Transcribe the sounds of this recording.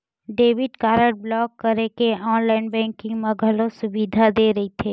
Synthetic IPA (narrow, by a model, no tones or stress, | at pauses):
ɖeːʋɪɖkaːɾəʈ̚blɔːkːəɾekeɔːnlaːɪnbɛ̃ːŋkɪ̃ŋɡmãɡʱɐlõsʊbiːd̪ʱad̪eːɾɐɦit̪ʰeː